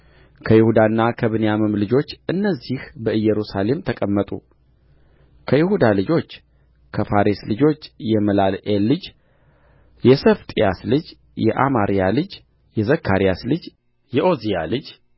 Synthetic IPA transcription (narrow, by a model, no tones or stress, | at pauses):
kʰəjɪhud̪anːakʰəβɨnejamɨmlɨd͡ʒo̞t͡ʃːʔɨnːəzːihbəɨjːɛɾusale̞mt̪ʰəkʼəmːət̪ʼṵ | kʰəjɪhud̪alɨd͡ʒo̞t͡ʃː | kʰəfaɾeslɨd͡ʒo̞t͡ʃːjɛməlalʔelɨd͡ʒ | jɛsəft̪ʼjaslɨd͡ʒ | jɛ̰ʔamaɾijalɨd͡ʒ | jɛzəkʰːaɾijaslɨd͡ʒ | jɛʔo̞zija̰lɨd͡ʒ